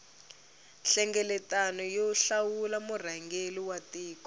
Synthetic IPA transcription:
ɬɛŋɡɛlɛtanɔjɔɬawulamur̤aŋɡeliwatiːkɔ

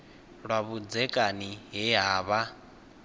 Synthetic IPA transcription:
ɺwaβud͡zɛkʼaniɦɛɦaːβa

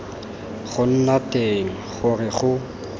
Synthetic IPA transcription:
χʊn̩nateŋ̩χʊrɪχʊ

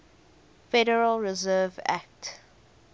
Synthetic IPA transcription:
fɛɾəɹəlɹizɜːvæ̰k̚t

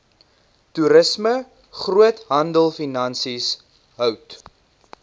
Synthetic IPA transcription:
tuɾəsmə | χruətɦɐndəlˠfinɐnsis | ɦœwt

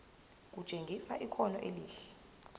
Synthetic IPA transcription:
k̬ʼu̥t͡ʃʼeŋɡʱisaʔikʰɔnɔ̰ʔeliːɬɛ̥

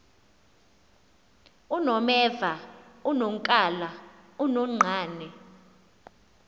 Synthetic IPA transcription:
unɔmɛːvaunoŋkʼalaunɔŋ͡ǀʱaːnɛ

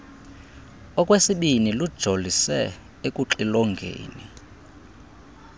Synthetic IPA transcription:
ɔkʼwesiɓinilud̥ʒ̥ʱolisɛ | ekʼuǁilɔŋɡʱḛːni

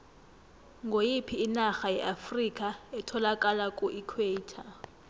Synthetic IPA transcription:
ŋɡʱojipʰiːnaxajɛʔafrikʼaɛtʰɔlakʼalakʼuʔikʰweiːtʰa

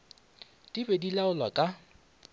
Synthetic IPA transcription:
dʼibedilaʊlwakʼa

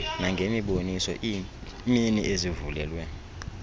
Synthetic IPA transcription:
naŋɡʱemiɓonisɔ̰ʔi | miniʔezivulɛlwɛ

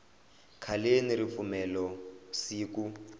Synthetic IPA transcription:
kʰalenirifumɛlɔsiːk̬u

